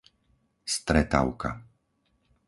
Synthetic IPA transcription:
st̪ɾɛt̪a̰ʊka̰

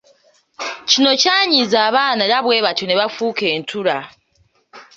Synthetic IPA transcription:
cino̞caːɲizaːβaːnalaβwe̞ːβato̞ne̞βafuːke̞ːntʰuɾa

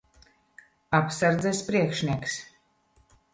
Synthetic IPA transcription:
apsaɾd̪zɛspɾiɛkʃniɛks

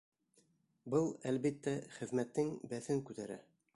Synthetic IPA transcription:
bɤlˠælβit̪ːæχɘ̆ðmæt̪ːɘŋbæθɘŋkʉt̪æɾæ̰

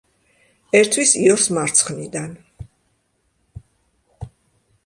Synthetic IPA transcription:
ɛɾt̪ʰwisiɔɾsmaɾt̪sʰχnid̪an

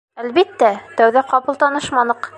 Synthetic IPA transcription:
ælβit̪ːæt̪æwðæqɑpɤ̆lˠt̪ɑnɤʃmɑnɤq

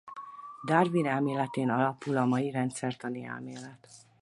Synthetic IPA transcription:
d̪ɒrvinɛlmeːlɛt̪eːnɒlɒpulɒmɒjiɾɛnt̪sɛrt̪ɒniɛ̰lmeːlɛt̪

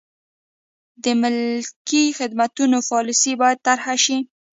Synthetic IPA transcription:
d̪əmɪlkixɪd̪mat̪unofɑlɪsibɑjad̪̚t̪aɾhaʃi

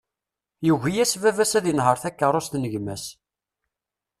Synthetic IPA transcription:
juʝijæsvævæsæðjənɦəɾˤθækːəɾˤʊst̪nəʝmæs

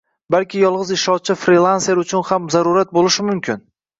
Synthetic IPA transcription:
balkʲɪjɒlˠʁɨzɪʃɒt͡ʃʰːɪfɾilˠanseɾʊt͡ʃʰʊnhamzaɾʊɾat̪̚bolɪʃɪmʊmkʲʰɪn

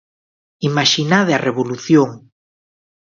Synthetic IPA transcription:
imaʃinaðeɐreβoluθjoŋ

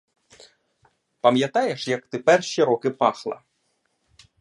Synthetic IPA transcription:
pɐmjɐt̪ɑjeʃjɐkt̪ɪpɛrʃiɾɔkɪpɑxlˠɐ̰

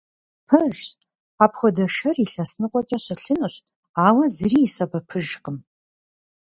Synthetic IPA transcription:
pʰɨʒ | aːpxʷɔdɐʃɐriɬɐsnɨqʷʼɔt͡ʃʼɐɕɪɬɨnɨɕ | aːwɐzɨriːsɐbɐpʰɨʒqəm

